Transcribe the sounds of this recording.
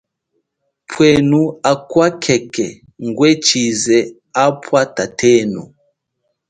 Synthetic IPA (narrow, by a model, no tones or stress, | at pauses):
pʰwɛnuakwakʰɛkɛ | ŋɡwɛt͡ʃizɛ | apʰwatatʰɛnṵ